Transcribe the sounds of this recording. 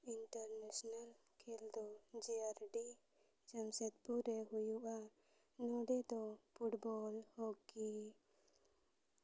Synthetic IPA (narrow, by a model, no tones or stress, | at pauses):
iɳʈəɾnesnal | kʰeld̪ɔd͡ʒiaɾɖi | d͡ʒəmset̪̚puɾeɦujuʔa | nuɖed̪ɔpuʈbɔlhokːi